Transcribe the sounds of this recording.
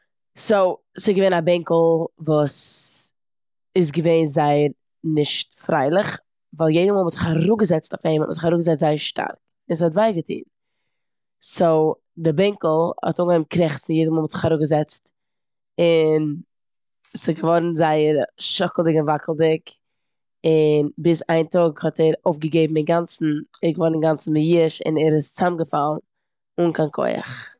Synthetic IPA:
soʊ | sɪɡəveɪnabɛŋkl̩ˠvuːs | ɪs̬ɡəveɪnzaɪəɾ | nɪʃtfɾa̰ɪlˠɪχ | vaːlˠjeɪdəmɔlˠmʊtz̥ɪχhaɾʊɡəzɛt͡stɔʊfeɪmmʊ̰zɪχhaɾʊɡəzɛt͡stz̥aɪəɾʃtʰa̰ɾk | ɪns̬ɪhɔtvaɪɡətʰḭːn | soʊ | dɪbɛŋkl̩ˠhɔ̰tʊːŋɡəɛmkɾɛχt͡snnjeɪdəmɔlˠɔtz̥ɪ̥χhaɾʊɡəzɛt͡st | ɪn | sɪɡəvɔɾn̩zaɪəɾʃɔkl̩ˠdɪkɪnvaklˠdɪk | ɪnbɪsaɪntɔɡhɔtʰɛɾoʊfɡəɡeɪbm̩ɪnɡant͡sn̩ɛɡəvɔɾnɪŋɡant͡sn̩mɪjiʃɪ̰nɛɾɪst͡samɡəfalˠn̩ | ʊnkʰankʰɔ̰ɪa̰χ

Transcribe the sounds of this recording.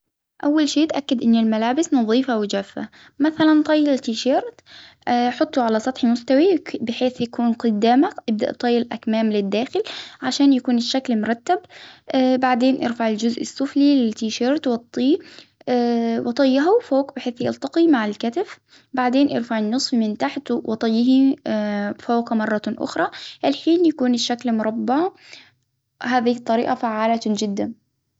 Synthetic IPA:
ʔawːalʃeːt̪ʔakːad̪ʔɪnːɪlmalaːbɪsnɑðˤiːfawɪd͡ʒaːfːa̰ | maθalant̪ˤɑjːɪɪlt̪iːʃeːɾˤt̪ | ħʊt̪ˤːuʕalasˤɑt̪ˤħimʊst̪awibɪħeːθjakuːnqʊd̪ːaːmaʔɪb̚d̪a̰ʔt̪ˤɑjːɪlʔakmaːmlɪd̪ːaːxɪlʕaʃaːnjakuːnɪʃːaklmʊɾˤɑt̪ːab | baʕd̪eːnʔɪ̰ɾfaʕɪld͡ʒʊzʔɪsˤːʊflilɪlt̪iːʃeːɾˤt̪wɑt̪ˤːiː | wɑt̪ˤɑjːɑɦufoːqbɪħeːθjɑlt̪ɑqimaʕalkat̪ɪf | baʕd̪eːnʔɑɾfaʕɪnːɨsˤfmɪnt̪aħt̪wʔɑt̪ˤɑjːɪɦi | foːqmɑrˤːɑʔʊ̰xɾˤɑʔɪlħiːnjakuːnɪʃːaklmʊɾˤɑbːa | haːðit̪ˤːɑɾḭːʔafaʕːaːlad͡ʒɪd̪ːan

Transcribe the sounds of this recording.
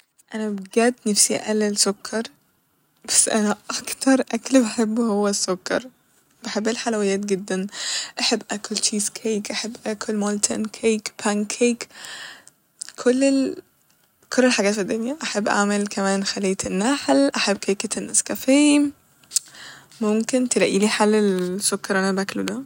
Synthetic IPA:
ʔænæbɡæːd̪nefsḭʔælːelsokʰːɑɾˤ | b̥æsːʔænæʔɑkt̪ɑɾˤʔæklbaħebːhowːæsːokːɑ̰ɾˤ | b̥aħebːelħalæwɪjːæːt̪̚ɡɪd̪ːænʔaħebːʔækolt͡ʃiːzkʰejkʔaħebːʔækʰolmolt̪ʰæ̰nkʰeːkpʰænkʰeːk | kʰolːe | kʰolːelħaɡæːt̪fid̪ːonjæʔaħebːʔa̰ʕmelkæmæːnxæleːt̪enːaħlʔaħebːkʰejket̪enʔæskæfeː | momkent̪elæʔiːliːħalːesːokːɑɾˤʔænæbæklod̪æ

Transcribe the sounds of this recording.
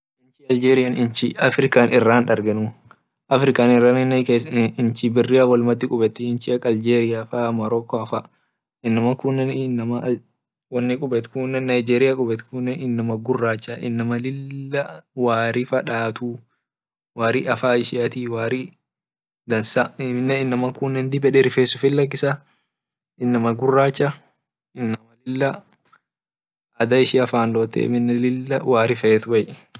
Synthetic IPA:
ɪnt͡ʃɪɐld͡ʒeːɾɪjanɪnt͡ʃɪɐfɾɪkaːnʔɪrːaːnᶑɐɾɡɛnʊ | ʔɐfɾɪkaːnɪrːaːnɪnkeːɪnt͡ʃɪbɪrːɪjawɔlmɐd̪ːɪkʼʊbɛt̪ːɪɪnt͡ʃɪɐkːɐld͡ʒeːɾɪjafaːmɐɾɔːkːɔɐfaː | ɪnːɐmɐkʊnːɛnnːɐmɐ | wɐnːɪkʼʊbɛt̪kuːnːɛnːɐjɪd͡ʒeːɾɪjaːkʼʊbɛt̪kunːɛnɪnːɐmɐɡʊrːaːt͡ʃːaːʔɪnːɐmɐlɪlːɐwaːɾɪfɐᶑaːt̪u | waːɾiːɐfaːɪʃɪjɐt̪iːwaːɾi | d̪ɐnsaɪmɪnːɛɪnːɐmɐkunːɛnd̪ɪbɛᶑɛɾɪfeːsʊfɪlːɐk̬ːɪsa | ɪnːɐmɐɡʊrːaːt͡ʃːɐ | ɪnːɐmɐlɪlːɐ | ɐd̪ɐɪʃɪɐfaːnloːt̪ːɛ̰ɪ̰mɪnːɛlɪlːɐwaːɾɪfɐɛt̪ʊbɐjɛ̥

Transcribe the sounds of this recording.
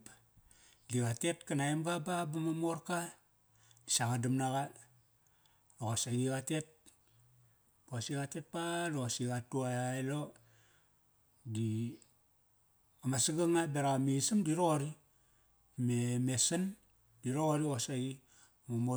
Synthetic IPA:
diɣatetkanaembababamamoɾka | isaɡadamnaɡa | loasaɡiɣate̞t̚ | bosiɣate̞t̚palosiɡatuajaelo | di | amasiɡaŋabeɾamisɨmdiɾoɾi | memesan | diɾoɾiosaɡi | mamo

